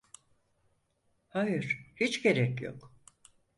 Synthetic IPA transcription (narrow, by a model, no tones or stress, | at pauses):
hajɯɾ̥hit͡ʃɟe̞ɾɛcjo̞̰k